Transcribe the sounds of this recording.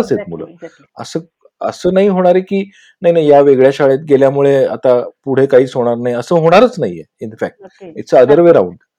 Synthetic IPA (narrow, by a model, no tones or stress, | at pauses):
əset̪mulə̰ː | ə̰səː | ə̰səːnaɦiːɦoɽ̃aɾekiː | naɦinaɦijaʋeɡɭjaɕaɭet̪̚ɡeljamuɭea̰t̪apuɽ̤ekaɦiːt͡sɦoɽ̃aɾnaɦiəsəːɦoɽ̃aɾət͡snaijḛinfæk̚ʈ̚ḛt͡səəd̪əɾʋeɾaṵɳ